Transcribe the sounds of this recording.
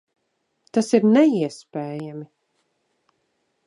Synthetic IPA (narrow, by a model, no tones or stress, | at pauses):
t̪asiɾnɛiɛspeːjami